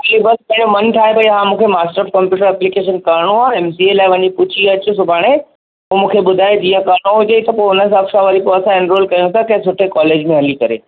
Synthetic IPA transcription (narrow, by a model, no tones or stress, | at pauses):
libɐspɐ̃ɦɪ̃ɲd͡ʑomɐnʈʰaːɦepɐiɦãːmũːkʰemaːsʈəɾfkɐ̃mpjuːʈəɾɛplikeːʃ̬ənkɐɾɽ̃uaːɛmsielaːɪʋɐɲipʊt͡ɕʰiɐt͡ɕusʊbʱaːɽ̃e | ɦũmũːkʰeɓʊd̪ʱaːed͡ʑiːə̃kɐɾɽ̃oɦʊd͡ʑet̪ɐpoːɦʊnəs̬ɐkʃãʋɐɾipoɐsãɪ̃nɾoːlkɐjõsɐkɐ̃sʊʈʰekɔːleːd͡ʑmẽɦɐlikɐɾḛː